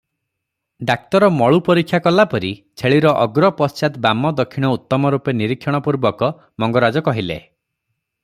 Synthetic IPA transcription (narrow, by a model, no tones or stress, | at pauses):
ɖak̚t̪ɔɾɔmɔɭupɔɾikʰːjakɔlapɔɾit͡ʃʰeɭiɾɔʔɔɡɾɔpɔst͡ʃat̪bamɔd̪ɔkʰːiɽ̃ɔut̪ːɔmɔɾupeniɾikʰːjɔɽ̃ɔpuɾbɔkɔ | mɔŋɡɔɾad͡ʒɔkɔɦilḛ